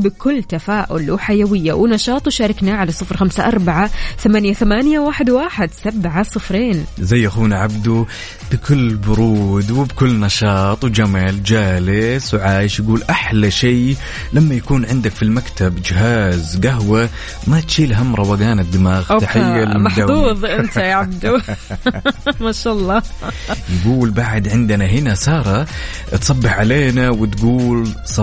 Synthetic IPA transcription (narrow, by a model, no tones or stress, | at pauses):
bɪkʊlːt̪afaːʔʊ̰lħajawɪjːawɪnɑʃɑːt̪ˤwʃaːɾˤɪknaʕalasˤːɨfɾxamsaʔɑɾˤbaʕaθamanjaθamaːnjawaːħɪd̪waːħɪd̪sabʕasˤɨfɾeːnzajːʔaxuːnaʕabd̪u | b̥ɪkʊlːbʊɾuːd̪wɪbkʊlːnɑʃɑːt̪ˤwd͡ʒamald͡ʒaːlɪswʕaːjɪʃjaɡuːlʔaħlaʃiː | lamːajakuːnʕɪnd̪akfilmakt̪ʰabd͡ʒɪɦaːzɡaɦwa | mat̪ʃiːlɦamːɾˤɑwaɡaːnɪd̪ːɪmaːɣt̪aħɪjːalmd̪auːðˤɪnt̪ajaʕbd̪u | maʃalˤːɑː | jɡuːlbaʕd̪ʕɪnd̪naɦɪnasɑːɾˤɑ | t̪sˤɑbːɪħʕaleːnawɪt̪ɡuːlsˤɑ